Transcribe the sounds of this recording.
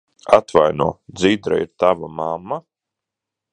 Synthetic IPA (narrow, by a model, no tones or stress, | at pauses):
at̪vajnuɔd̪zid̪ɾa̰iɾt̪avamamːa